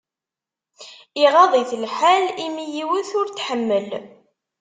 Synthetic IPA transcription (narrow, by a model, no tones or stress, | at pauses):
iʁɑðˤiθlħalimijiwəθʊɾt̪ħəmːəl